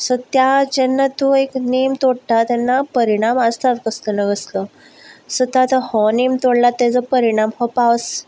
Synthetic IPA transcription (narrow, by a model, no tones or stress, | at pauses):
sɔt̪jad͡ʑɛnːat̪ueknimt̪oɽt̪at̪jɛnːapəɾiɽ̃amast̪at̪kəslənəɡəslə | sət̪at̪əhɔnimt̪oɽlat̪ːɛd͡zəpəɾiɽ̃amhɔpaʋəs